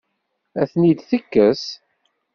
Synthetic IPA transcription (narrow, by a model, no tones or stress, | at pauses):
æθnid̪θəkːəs